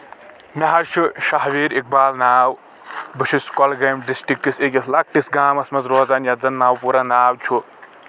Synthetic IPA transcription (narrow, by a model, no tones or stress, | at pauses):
mʲɐɦɐɾt͡ʃʰuʃaɦʋiːɾek̚baːlnaːw | bɨʃʰiskɔlɡɐjmɖisʈikːisekʲislɐk̚ʈisɡaːmɐsmɐzɾoːzaːnjɐzɐnːaːwpuːɾanaːwt͡ʃʰu